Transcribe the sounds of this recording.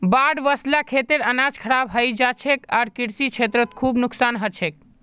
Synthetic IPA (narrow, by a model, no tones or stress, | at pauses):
baɽʋəslakʰet̪eɾənad͡ʒkʰəɾabɦəjd͡ʒat͡ʃʰekaɾkiɾsit͡ʃʰet̪ɾət̪kʰubnuksanɦət͡ʃʰek̚